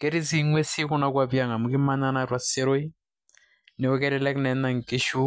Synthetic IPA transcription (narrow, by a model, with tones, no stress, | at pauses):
kɛ˦ɾi˦zi˦ŋwe˦si˦kʊ˦na˦kwa˦bja˨ŋa˨mu˨ki˦ma˦na˦na˨ɾwa˨se˦ɾo˦i˦ | nɛ˨ɔ˦kɛ˦ɾɛ˦lɛ˦knɛ˨na˨ŋ˨ki˦ʃu˦